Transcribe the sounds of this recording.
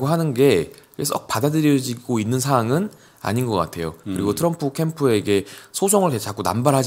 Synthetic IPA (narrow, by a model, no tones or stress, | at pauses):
ɡoɦanɯnɡe̞es͈ʌk̚padadɯɾjʌd͡ʑiɡoinːɯnsʰaaŋɯn | a̰ɲinɡʌk͈a̰tʰe̞jo̰kɯɾiɡotʰɯɾʌmpʰɯkʰe̞mpʰue̞ɡe̞sʰod͡ʑʰʌŋɯɭket͡ɕʰak͈ona̰mbaɾɦad͡ʑ